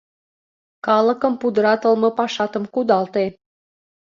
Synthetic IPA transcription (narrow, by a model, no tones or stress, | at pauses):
kɑlə̆kə̆mpud̪əɾɑt̪ə̆lmɤ̆pɑʃɑt̪əmkud̪ɑlt̪e